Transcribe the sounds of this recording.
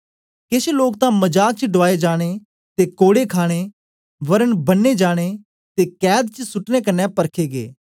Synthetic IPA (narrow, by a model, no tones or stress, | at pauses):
keseloːkt̪ãmɐd͡ʒaːk̚t͡ʃəɖʋaːed͡ʒaːɽ̃e | t̪ekoːɽekʰaːɽ̃e | ʋɐɾənbɐnːed͡ʒaːɽ̃e | t̪ekɛːd̪̚t͡ʃəsʊʈnekɐnːɛpɐɾkʰeːɡḛː